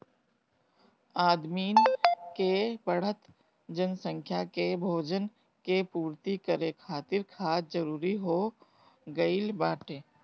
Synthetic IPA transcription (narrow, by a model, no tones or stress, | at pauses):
aːd̪miːnkebəɽ̤ət̪ | d͡ʒənsə̃ŋkʰjakebʱoːd͡ʒən | kepuːɾt̪ikəɾekʰaːt̪ɪɾkʰaːt̪d͡ʒəɾuːɾiɦoː | ɡɐilbaːʈeː